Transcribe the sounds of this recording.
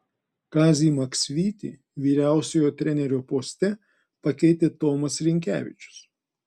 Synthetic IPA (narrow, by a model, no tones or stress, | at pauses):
kɑːzʲiːmɐksʲʋʲiːt̪ʲḭː | ʋʲiːɾʲæˑʊsʲojoːt̪ʲɾʲɛnʲɛɾʲoːpoːsʲt̪ʲɛ | pɐkʲɛɪt̪ʲeːt̪ɔːmɐsɾʲɪŋʲkʲæ̰ːʋʲɪ̰t͡ʃʲʊ̥s